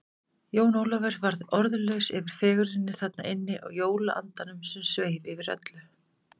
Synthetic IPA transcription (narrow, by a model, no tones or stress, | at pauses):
joːwnowlavɛɾvaɾðɔɾðʏlœɥsɛvɪɾ̥fɛːɣʏɾɪnːɪθat̪na̰ʔɪnːɪʔɔ̰ɣjoːwlaʔa̰nt̪anʏmsɛmsveːjvɪvɪɾœ̰t̪lʏ